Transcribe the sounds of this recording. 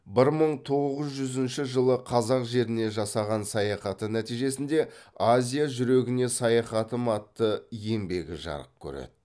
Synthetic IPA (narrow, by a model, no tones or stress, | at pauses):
bɪɾməɴt̪ʰo̞ʁʁəzʒʏzɪnʃɪʒəlˠəqʰɑzɑqʒe̞ɾɪne̞ʒɑsɑʁɑnsɑjɑχɑt̪ənæt̪ijʒe̞sɪnd̪e̞azʲijaʒʏɾe̞ɡʲɪne̞sɑjɑχɑt̪əmɑt̪ːəje̞mbe̞ɡʲɪ̰ʒɑ̰ɾəp̚kʲʰɵ̰ɾḛd̪̥